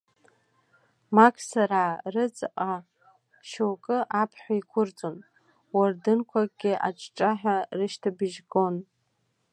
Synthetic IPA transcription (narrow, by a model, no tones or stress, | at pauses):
makʰsaɾaːrɨt͡sʼqʼa | ʃowkʼɨʔapʰħʷᶣaikʷʰʊrt͡sʼon | wardɨnkʷʰaɡʲɪʔa̰ʈ͡ʂʰʼʈ͡ʂʼaħᶣarɨʃtʰabɨʒɡo̞n